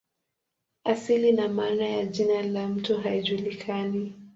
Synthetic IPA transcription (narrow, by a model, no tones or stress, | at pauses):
asilinamaːnajaʄinalam̩tuɦaiʄulikʰani